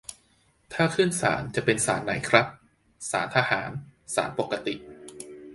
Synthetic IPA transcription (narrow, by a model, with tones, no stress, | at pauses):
t̪ʰaː˥˩kʰɯː˥˩nsa̰ː˩˦nt͡ɕa˨˩pe˧nsa̰ː˩˦nːa˩˦jkʰɾa˦˥p̚ | saː˩˦nt̪ʰa˧haː˩˦nsa̰ː˩˦npo˨˩kːa˧t̪i˨˩ʔ